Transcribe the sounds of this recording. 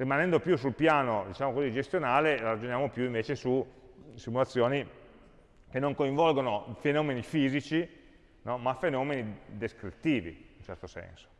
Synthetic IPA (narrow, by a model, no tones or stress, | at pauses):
rimanɛnd̪opjusulpjaːnod̪it͡ʃaːmokozid͡ʒest̪jonaːlelaɾad͡ʒonjaːmopjuiɱveːt͡ʃesusimulat̪sːjoːni | kenːoŋkoiɱvɔlɡonofenɔːmenifiːzit͡ʃi | nɔmafenɔːmenid̪eskɾit̪ːiːvḭunt͡ʃɛrt̪osɛ̰nso̥